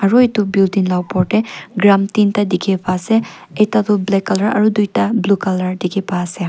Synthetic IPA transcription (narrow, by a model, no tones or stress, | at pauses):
ɐɾojtubildinlawpɔɾteɡɾamtintɐdikʰepʰase | etatublekɐlɐɾɐ̰ɾudujtɐblukɐlɐɾdikʰepʰase